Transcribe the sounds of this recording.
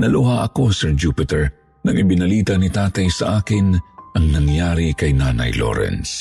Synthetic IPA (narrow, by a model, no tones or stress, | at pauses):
nɐlʊhaʔɐko̞sɛɹd͡ʒuːpɪt̪ɛɹ | nɐŋʔɪbɪnɐliːt̪ɐnit̪aːt̪ɐjsɐʔaːkɪnʔɐŋnɐŋjaːɾikɐjnaːnɐ̰jlo̰ɾɛ̰ns